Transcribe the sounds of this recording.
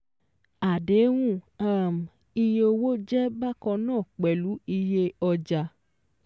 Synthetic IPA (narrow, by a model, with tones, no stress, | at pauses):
a˨de˨˦w̃ũ˦˨aː˦˨m˨ | i˧je˧o˧wo˦d͡ʒɛ˦ba˦kɔ̃˧nãː˦˨k͡pɛ˨lu˨˦i˧je˧ɔ˧d͡ʒa˧